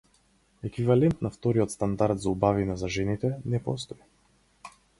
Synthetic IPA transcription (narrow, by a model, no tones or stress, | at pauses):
ɛkvivalɛnt̪naft̪ɔɾiɔt̪st̪and̪aɾd̪zaubavinɛzaʒɛnit̪ɛnɛpɔ̰st̪ɔi